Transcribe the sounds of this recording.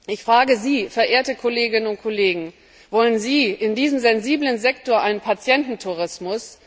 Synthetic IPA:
ʔɪçfʁ̥aːɡəziːfɛɐʔeːɐtəkʰoleːɡɪnənʊnt̚kʰoleːɡŋ̩ | vɔlənziːʔɪndiːzəmzɛnziːblənzɛktoːɐʔaɪnənpʰat͡sjɛntn̩tʰuʁ̞ɪsmʊs

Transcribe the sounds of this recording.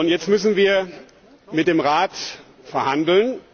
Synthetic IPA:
ʊntjɛt͡stmʏsn̩viːɐ | mɪt̚d̥eːmʁaːt | fɛɐhandl̩n

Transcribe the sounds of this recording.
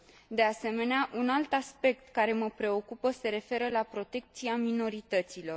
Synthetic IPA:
d̪e̞ase̞me̞neaʔunalt̪aspe̞k̚t̪kaɾe̞məpɾe̞o̞kupəse̞ɾe̞fe̞ɾəlapɾo̞t̪e̞k̚t̪siamino̞ɾit̪ət̪silo̞r

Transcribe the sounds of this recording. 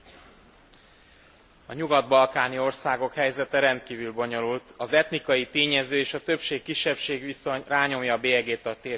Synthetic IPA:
ɒɲuɡɒd̪̚bɒlkaːnio̞rsaːɡo̞khɛjzɛt̪ɛɾɛnt̪̚kiːvylbo̞ɲo̞lult̪ɒzɛt̪nikɒjit̪eːɲɛzøːeːʃɒt̪ø̞pʃeːkːiʃːɛpʃeːɡʋiso̞ɲraːɲo̞mjɒbeːɛɡeːt̪ɒt̪eː

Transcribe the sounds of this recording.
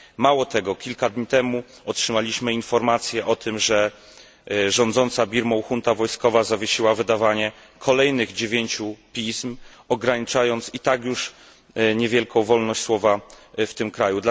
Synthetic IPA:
mawɔt̪ɛɡɔkʲilkad̪ɲit̪ɛmu | ɔtʂɘmalʲiɕmɘinfɔɾmat̪sʲjɛʔɔt̪ʰɘmʐɛ | ʐɔ̃nd̪zɔnt̪sabʲiɾmɔwxunt̪avɔjskɔvazavʲjeɕiwavɘd̪avaɲɛ | kʰɔlɛjnɘɣd͡ʑevʲjeɲt͡ɕupʲism | ɔɡɾaɲit͡ʂajɔnt̪sit̪aɡjuʂ | ɲevʲjɛlkɔ̃w̃vɔlnɔɕt͡ɕʲswɔvaft̪ɘmkɾajud̪la

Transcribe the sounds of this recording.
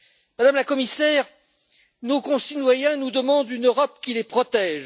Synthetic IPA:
mad̪amlakɔmisɛːʁ | nokɔ̃sinwajɛ̃nud̪əmɑ̃d̪ynøʁɔp̚kʲilepχɔt̪ɛːʒ

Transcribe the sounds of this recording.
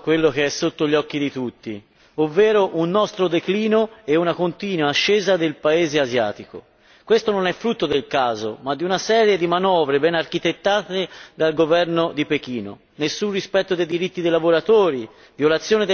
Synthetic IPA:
kwelːok̟eɛsːot̪ːoʎːɔkːid̪it̪ut̪ːi | ovːɛːɾoʔunːɔst̪ɾod̪ekliːnoɛunakont̪iːnuaːʃːeːzad̪elpaeːzeazja̰ːt̪iko̰ | kwest̪ononɛfːɾut̪ːod̪elkaːzo̰mad̪ːiunasɛːɾjed̪imanɔːvɾebɛnarkit̪et̪ːaːt̪ed̪alɡovɛrnod̪ipek̟iːno̰ | nesːunrispɛt̪ːod̪ejd̪iɾit̪ːid̪ejlavoɾat̪oːɾi | vjolat̪sːjoːned̪

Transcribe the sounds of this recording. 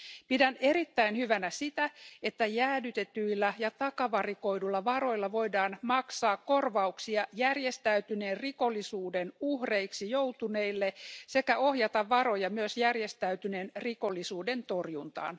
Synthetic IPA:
pidæneɾit̪ːæinhyʋænæsit̪æet̪ːæjæːdyt̪et̪yilːæjɑt̪ɑkɑʋɑrikoidulːɑʋɑro̞ilːɑʋoidɑːnmɑksɑːkkːorʋɑuksiɑjærjest̪æyt̪yneːrrikolːisuːdenuhreiksijout̪uneilːesekæʔohjɑt̪ɑʋʋɑɾojɑmyøsjærjest̪æyt̪yneːnrikolːisuːdent̪orjunt̪ɑ̰ːn

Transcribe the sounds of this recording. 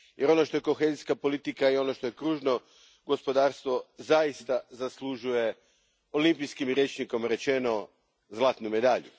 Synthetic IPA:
jʔe̞ɾo̞no̞ʃt̪o̞jeko̞xe̞ziskapo̞lit̪ikaio̞no̞ʃt̪o̞je̞kɾuːʒno̞ | ɡo̞spo̞d̪aːɾst̪ʋo̞zajist̪azaslˠuʒuje̞ | o̞limpiskimɾjet͡ʃniko̞mɾe̞t͡ʃe̞no̞ | zlˠaːt̪nume̞d̪aʎṵ

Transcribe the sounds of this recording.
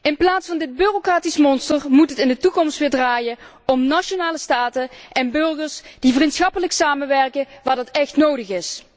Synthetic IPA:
ɪnplaːtsfɑndɪd̚byrokraːtismɔnstərmutɦətɪndətukɔmstʋɪːɹdraːjə | ɔmnaʃonaːləstaːtəʔɛnbɵrɣəɹsd̥ivərintsxɑpələksaːmənʋɛrkəʋaːɹdɑtɛxtnowdəxɪs

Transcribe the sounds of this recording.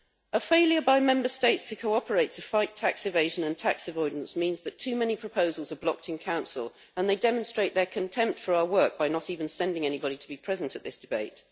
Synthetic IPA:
ʔəfeɪlˠjə˞baɪmɛ̃mbəsteɪtstʰəkʰoʊɒpəɹeɪtʰəfaɪtʰaksɨveɪʒə̃nə̃ntʰaksɪvɔɪdə̃nsmĩnzðɨtʰʉːmɛnipʰɹ̥əpʰoʊzəlˠzə˞blɒk̚tɨ̃nkʰãʊ̃nsə̰lˠ | ə̃nðeɪdɛmə̃nstɹ̥eɪʔ̪ðə˞kʰɨ̃ntʰɛ̃mp̚tfə˞aʊəwɜˑ˞k̚b̥aɪnətivə̃nsɛ̃ndɪ̃ŋɛnibɑɾitʰəbipʰɹ̥ɛzə̃ntʰəʔ̪̚ðɪsd̥ɪbeɪt̚

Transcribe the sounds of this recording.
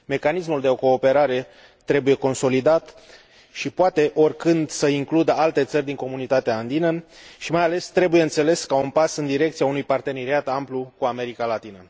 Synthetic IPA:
me̞kanis̬muld̪e̞o̞ko̞ːpe̞ɾaɾe̞ | t̪ːɾe̞buje̞ko̞nso̞lid̪at̪ | ʃipoat̪e̞ʔo̞rʲkɨnd̪səiŋklud̪əalt̪e̞t̪sərʲd̪iŋko̞munit̪at̪eaːnd̪inəʃimajale̞st̪ɾe̞bujeɨnt̪se̞le̞skaunpasɨnd̪iɾe̞k̚t̪siaunujpart̪e̞ne̞ɾiat̪amplukuame̞ɾikalat̪inə

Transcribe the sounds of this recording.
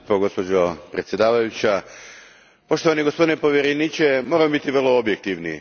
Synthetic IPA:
poɡo̞spo̞d͡ʑopɾet̪sje̞d̪aːʋajut͡ɕa | po̞ʃt̪o̞ʋaniɡospo̞d̪inepo̞ʋjeɾeniːt͡ɕemoːɾamobit̪iʋr̩lˠo̞objek̚t̪iʋni

